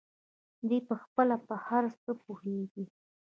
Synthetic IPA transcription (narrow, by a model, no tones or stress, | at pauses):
d̪epəxpəlapəhaɾst͡səpuheɡi